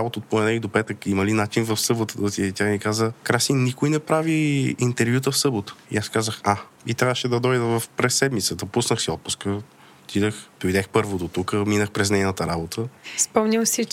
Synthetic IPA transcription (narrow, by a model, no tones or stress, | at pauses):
ɾabot̪ət̪poɛnɛid̪opɛt̪əkiməlinat͡ʃinvɐfsɤbot̪əd̪ot̪it̪ʲamikazəkɾasinnikojnɛpɾaviːnt̪ɛɾvʲjut̪̬əfsɤbot̪ə̥ḭaskazəxa | it̪ɾʲavəʃɛd̪ɐd̪ɔjd̪əvəfpɾɛsːɛd̪mit̪səd̪ɐpusnəxsiɔt̪̚pu̥skə | t̪id̪əxd̪̥ojd̪ɛxpɤɾvod̪ot̪ukəminəxpɾɛznɛjnət̪əɾabot̪ʰəispɔmnʲəmsi